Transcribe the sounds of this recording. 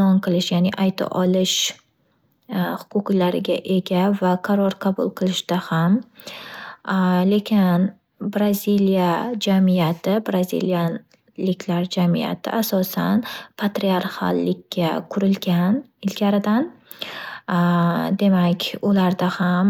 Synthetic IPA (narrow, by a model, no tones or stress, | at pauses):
ɒnqʰɨlˠɪʃjanɪʔajt̪ʰa̰ʔɒlɪʃ | hʊ̥qʰʊqlaɾɪ̰ɡʲa̰ʔe̞ɡʲavaqʰɑɾɒɾqʰɑbʊlˠqʰɨlˠɪʃd̪̥aham | le̞kʲʰɪn | bɾazilijad͡ʒamijat̪ʰɪbɾazḭlija | lɪkʲlaɾd͡ʒamija̰t̪ʰɪ̰ʔasɒsa̰npʰat̪ɾiaɾha̰lːɪkʲːakʰʊɾɪlɡʲanɪlɡʲaɾɪd̪an | d̪e̞makʲʊlaɾd̪aham